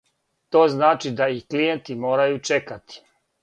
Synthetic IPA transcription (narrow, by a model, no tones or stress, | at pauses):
t̪oːznaːt͡ʃid̪aixklijent̪imo̞ːɾajut͡ʃekat̪i̥